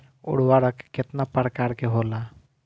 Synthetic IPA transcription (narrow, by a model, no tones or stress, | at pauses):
ʊ̰ɽ̤waɾəkːet̪napəɾkaɾkeɦola